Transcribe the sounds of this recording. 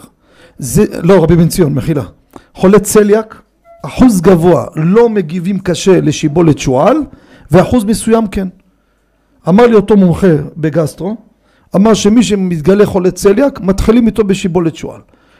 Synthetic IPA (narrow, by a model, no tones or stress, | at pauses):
zelo̞ʁabiment͡sijonmeχila | χo̞lett͡se̞ljak | aħuzɡavo̞a̰lo̞me̞ɡivimkaʃe̞le̞ʃibo̞let̪ʃual | veaħuzmesujamken | amaʁlio̞t̪o̞momχe̞be̞ɡast̪ʁo̞ | amaʁʃe̞miʃ̬emit̪ɡale̞χo̞lett͡seljakmat̪χilimit̪o̞be̞ʃibo̞let̪ʃṵa̰l